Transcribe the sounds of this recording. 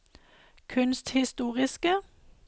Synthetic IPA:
kʰʉnst̪hɪst̪uːʁɪskə

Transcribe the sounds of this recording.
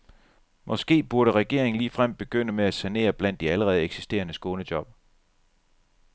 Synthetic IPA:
mʔɒ̽sɡ̥e̝̰ːb̥uɐɾəʁɛɡ̥e̝ɐ̰eŋn̩liːfʁam̰d̥̚b̥e̝ɡ̥øn̰əmeæsæne̝̰ːɐb̥læn̰d̥iæləʁɛːð̞̩ˠeɡ̥si̥sd̥e̝̰ːɐnəsɡ̥oːnəd̥jɒ̽b̥̚

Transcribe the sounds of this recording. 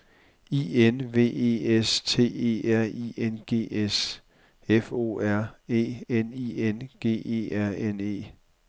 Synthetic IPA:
iːenʋe̝̰ːe̝̰ːest͡sʰe̝̰ːe̝̰ːæɐ̰ienɡ̥e̝̰ːes | efo̝̰ːæɐ̰e̝̰ːenienɡ̥e̝̰ːe̝̰ːæɐ̰ene̝̰ː

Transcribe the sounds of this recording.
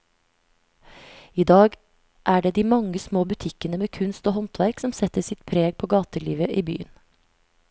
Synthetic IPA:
iːd̪ɑːɡ | ʔæːɖeːd̪iːmɑŋəsmoːbʉt̪ʰɪkənəmeːkʰʉnst̪oːhɔnt̪ʋæɾksɔmsɛt̪əsɪt̪pʰɾeːɡ̚pʰoːɡɑːt̪əɭḭːʋəʔiːby̰ːən

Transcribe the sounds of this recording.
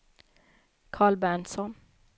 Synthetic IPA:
kʰɑːɭbæːɳsɔn

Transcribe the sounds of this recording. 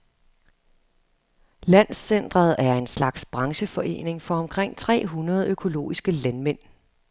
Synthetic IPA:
læn̰sːen̰d̥ʁɐð̞ˠæɐe̝nslɑ̈ɡ̥sb̥ʁɑ̈ŋɕəfɒ̽ʔe̝̰ːne̝ŋfɒ̽ɒ̽mkʰʁeŋ̰t͡sʰʁɛ̰ːɦunɐð̞ˠøkʰo̝lo̝̰ːisɡ̥əlænmen̰

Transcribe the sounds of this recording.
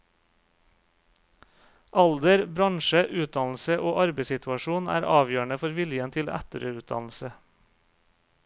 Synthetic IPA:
ʔɑld̪əɾbɾɑŋʃəʔʉːt̪̚d̪ɑnl̩səʔoːʔɑɾbəɪsɪt̪ʉɑʃuːnæ̰ːɾʔɑːʋjøːɳəfɔɾʋɪljənt̪ʰɪlæ̰t̪əɾəʉːt̪̚d̪ɑ̰nl̩sə

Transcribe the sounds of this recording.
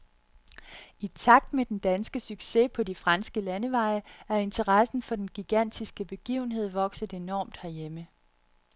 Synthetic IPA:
it͡sʰɑ̈ɡ̥̚d̥med̥end̥ænsɡ̥əsyɡ̥se̝pʰɒ̽difʁɑ̈nsɡ̥əlænəʋɑ̈ɪəæɐe̝nt͡sʰəʁɑsn̩fɒ̽d̥enɡ̥iɡ̥æn̰d̥isɡ̥əb̥e̝ɡ̥ḭːʊn̩ɦe̝ð̞̰ˠʋɒ̽ɡ̥sð̩ˠe̝nɒ̰ːmd̥hæɐjemə

